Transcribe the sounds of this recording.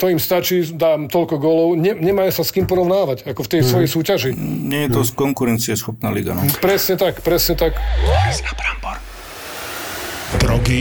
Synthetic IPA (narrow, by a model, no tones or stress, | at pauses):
t̪ɔimst̪at͡ʃiːd̪aːmt̪ɔʎkɔɡɔːlɔʊɲɛɲɛmaːjsaskiːmpɔɾɔʊnaːʋaɟakɔft̪ɛjsʋɔjɛjsuːcaʒiɲɛjɛt̪ɔskɔŋkuɾɛnt͡siɛsxɔpnaːlḭɡa̰npɾɛsɲɛt̪akpɾɛsɲɛt̪akabɾambɔɾ | d̪ɾɔɡi